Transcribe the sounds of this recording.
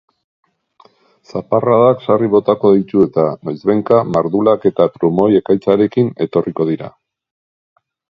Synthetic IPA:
saparaðaksariβo̞t̪ako̞ðijt̪ue̞t̪anojzβe̞ŋkamaɾðulake̞t̪apɾumo̞je̞kajt͡saɾe̞kine̞t̪o̞rʔiko̞ð̞iɾa̰

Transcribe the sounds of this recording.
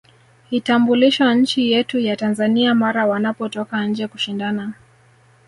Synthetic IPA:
hitambuliʃwaɲ̩t͡ʃijɛtujatanzaniamaɾawanapɔtɔkaɲ̩d͡ʒɛkuʃindana

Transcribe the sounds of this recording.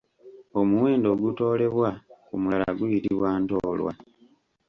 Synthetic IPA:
o̞muwe̞ːndo̞ːɡuto̞ːle̞βwakumulala̰ɡuβiɾiβwaːntoːlwa̰

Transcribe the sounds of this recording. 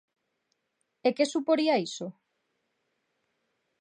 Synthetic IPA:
ekesupoɾiaiso

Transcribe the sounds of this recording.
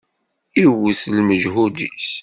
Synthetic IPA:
iwuslməʒɦud̪ḭs

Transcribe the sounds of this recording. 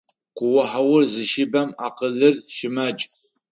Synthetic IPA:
kʷʊwʊħawʊrzɨʃɪbɐmaːqəɮɨrʃɪmɐt͡ʃʼ

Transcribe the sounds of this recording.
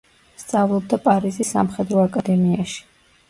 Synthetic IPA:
st̪sʼavlˠɔb̚d̪apʼaɾizisːa̰mχɛd̪ɾɔakʼad̪ɛmiaʃi̥

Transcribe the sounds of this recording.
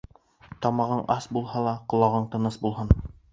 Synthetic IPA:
t̪ɑmɑʁɤɴʔɑsbulˠhɑlˠɑqŏlˠɑʁɤɴt̪ɤ̆nɤsbulˠhɤn

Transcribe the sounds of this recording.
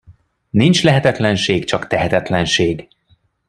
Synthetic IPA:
nint͡ʃlɛɦɛt̪ɛt̪lɛnʃeːɡt͡ʃɒkt̪ɛɦɛt̪ɛt̪lɛnʃeːɡ

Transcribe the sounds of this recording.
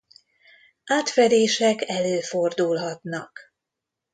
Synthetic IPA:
ʔaːt̪fɛd̪eːʃɛkɛløːford̪ulɦɒt̪nɒk

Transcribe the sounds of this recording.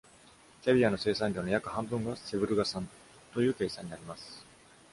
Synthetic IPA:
tʲabʲiano̞se̞ːsãɲʲɾʲonojakɯ̟hãmbɯ̟̃ŋɡase̞bɯ̟ɾɯ̟ɡasãn | t̪o̞jɯ̟ːke̞ːsãɲ̟ːinaɾʲimasɨ̥

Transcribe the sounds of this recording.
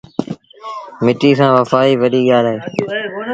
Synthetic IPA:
mɪʈiːs̬ãːʋəfaːiːʋəɗiːɠaːlaːɦeː

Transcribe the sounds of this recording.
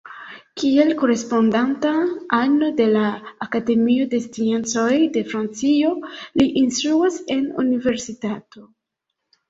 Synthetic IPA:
kie̞lko̞ɾe̞spo̞ndantaano̞de̞laːkade̞mio̞de̞stie̞nt͡so̞jde̞fɾant͡sio̞liʔinstɾuase̞nṵnive̞ɾsitatʰo̞

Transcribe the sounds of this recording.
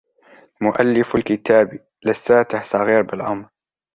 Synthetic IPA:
mʊʔalːɪfʊlkɪt̪aːbi | lɪsːaːt̪ɪħsˤɑɣiːɾbɪlʔɑmɾˤ

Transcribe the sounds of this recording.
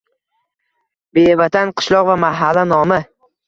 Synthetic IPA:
bevat̪ʰanqʰɨ̥ʃlˠɒqvamaɦalːanɒmɪ

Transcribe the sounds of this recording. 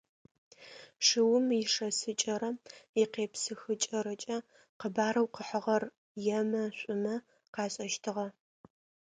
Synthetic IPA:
ʂɨwʊmjɪʂɐsɨt͡ʃʼɐɾɐjɪqeːpsɨxɨt͡ʃʼɐɾɐt͡ʃʼɐ | qəbaːɾɐwqəħəʁɐr | jɛmɐɕʷʼʊmɐ | qɑːɕʼɐʃtʰɨʁɐ

